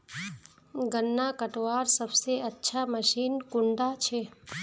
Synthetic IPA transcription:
ɡənːakəʈʋaɾsəbseətːʃʰaməʃinkʊɳɖat͡ʃʰe

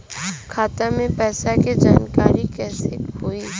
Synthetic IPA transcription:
kʰaːt̪amẽpɛːsaked͡ʒaːnkaːɾikɛːseɦoːi

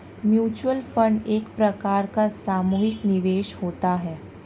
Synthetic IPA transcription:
mjuːt͡ʃwəlfə̃ɳɖeːkpɾɐkaːɾkasaːmuːɦɪknɪʋeːʃhoːt̪aɦɛː

